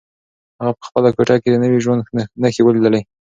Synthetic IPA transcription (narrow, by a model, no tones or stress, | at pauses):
haɣapə̥xpəlakoʈɑked̪ənəwiʒwand̪nənəxewəlid̪əlaj